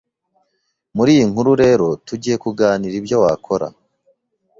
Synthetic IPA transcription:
muɾiːjiŋ̥huɾuɾe̞ːɾo̞tuɟije̞kuɡaːniɾibjo̞wakʰo̞ɾa̰

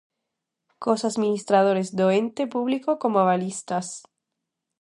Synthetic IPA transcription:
kosazmĩnist̪ɾað̞oɾezd̪oent̪epuβlikokomoaβalist̪as

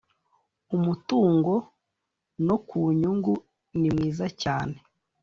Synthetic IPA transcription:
umutuːŋɡo̞ | no̞kuːɲuŋɡu | nimŋwiːzacaːne

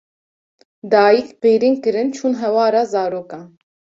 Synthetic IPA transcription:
d̪ɑːjikpeːɾiːnkɨɾɨnt͡ʃʰuːnɦɛwɑːɾɑːzɑːɾoːkɑː

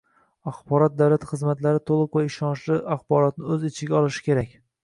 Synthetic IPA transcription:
aχbɒɾɒt̪̚d̪awlat̪χɨzmat̪laɾɪt̪ʰolˠɨqvaɪʃɒnʃlɪaχbɒɾɒt̪nɪɵzɪt͡ʃʰɪɡʲaɒlˠɪʃɪ̥kʲe̞ɾakʲ

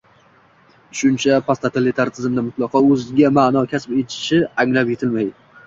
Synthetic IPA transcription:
ʃʊnt͡ʃʰapʰast̪at̪ʰelɪt̪ʰaɾt̪ʰɪzmd̪amʊt̪lˠɒqɒɵzɡʲamanɒkʲʰaspe̞t̪ʰɪ̥ʃɪaŋlapje̞t̪ʰɪlmaj̪ɪ

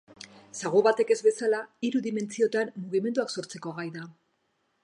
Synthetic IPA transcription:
saɣoβat̪e̞ke̞zβe̞salaiɾuðime̞nt͡sio̞t̪anːuɣime̞nd̪uakso̞ɾt͡se̞ko̞ɣajða

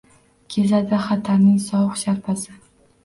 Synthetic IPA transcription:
kʲʰe̞zad̪ɪχat̪ʰaɾnɪŋsɒwɨχʃaɾpʰasɪ

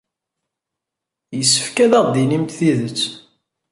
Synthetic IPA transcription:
jəsːə̥fkæðæʁˤd̪inimt̪θiðət͡sː

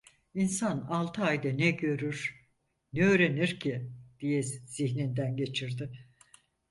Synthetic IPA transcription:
insanalˠt̪ʰɯajd̪ɛnɛɟø̞ɾyɾ̥ | nɛøːɾe̞niɾcʰid̪̥ijɛz̥içnind̪ænɟe̞t͡ʃʰiɾd̪ɪ

